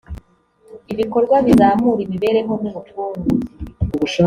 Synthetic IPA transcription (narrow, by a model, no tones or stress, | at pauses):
iβiko̞ɾɡwaβizaːmuɾimiβe̞ɾe̞ŋonumutuːnɡuuβuʃa